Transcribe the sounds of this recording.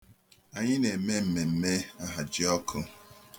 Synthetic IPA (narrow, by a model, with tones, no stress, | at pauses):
a˨ɲɪ˦ne˨me˦m̩˨me˨m̩˨me˦a˦ɦa˨d͡ʒɪ˦ɔ˦kʰʊ˦